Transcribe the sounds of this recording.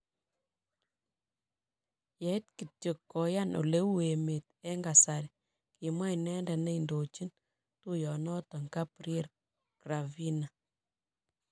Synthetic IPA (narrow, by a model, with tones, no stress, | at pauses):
jɛ˨˦t̚ki˨to˨kːɔ˨ja˦nʔo̰˨le˦u˦e˨me˨t̚ɛ˦ŋɡa˨sa˨ɾi | ki˨mwa˦i˨nɛ˦ndɛ˨ne˦i˨ndo˨t͡ʃi˦n | tu˦jɔ˨nɔ˦tɔ˨ŋka˦pɾie˦ɾ | kɾa˨vi˦na˨